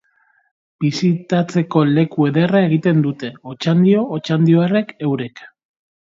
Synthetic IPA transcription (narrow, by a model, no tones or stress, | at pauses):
b̥isit̪at͡se̞ko̞le̞kue̞ðe̞rae̞ɣ̞it̪e̞nd̪ut̪e̞o̞t͡ʃand̪io̞ːt͡ʃand̪io̞ere̞ke̞wɾek